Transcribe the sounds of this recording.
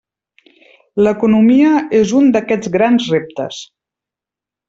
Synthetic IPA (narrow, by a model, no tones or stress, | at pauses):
ləkunumiəezund̪əkɛd͡zɣɾanzrep̚t̪ə̰s